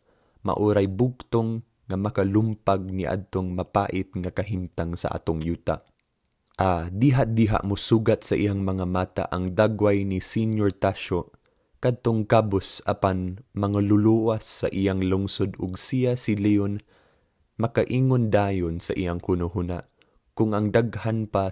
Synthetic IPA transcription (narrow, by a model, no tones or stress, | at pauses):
ma̰ʔuɾajbʊɡ̚t̪oŋː | amɐkalʊmpaɡ̚niʔa̰d̪̚t̪oŋmapa̰ːʔɪt̪̚ŋakaɦimt̪aŋsa̰ʔa̰ːt̪oŋjuːt̪a̰ | ʔad̪iɦaʔ̚d̪iɦa̰ʔmʊsuːɡat̪̚saʔijaŋmɐŋamaːt̪a̰ʔaŋd̪aɡwajnisinjoɹt̪aʃo | kad̪̚t̪oŋkabosʔa̰panmaŋalʊluʔwasːa̰ʔijaŋlʊŋsod̪ʊɡsijasilion | mɐkaʔiːŋond̪aːjonsaʔijaŋkunʊɦuna̰ʔ | kʊŋʔaŋd̪aɡhanpa